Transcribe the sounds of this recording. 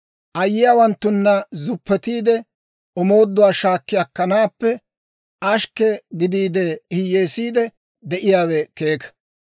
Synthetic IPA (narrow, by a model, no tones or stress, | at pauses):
ʔɐjːɪjaːwɐnt̪ːʊnːɐzʊpːɛt̪iːd̪ɛ | ɔmo̞ːd̪ːʊwaːʃaːkːɪjɐkːɐnaːpːɛ | ʔɐʃkːɛɡɪd̪iːd̪ɛhɪjeːsiːd̪ɛ | d̪ɛʔɪjaːwɛke̞ːkɐ̥